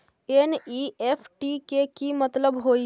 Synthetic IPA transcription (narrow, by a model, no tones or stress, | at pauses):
enieːpʰʈikekimət̪ləbɦoːi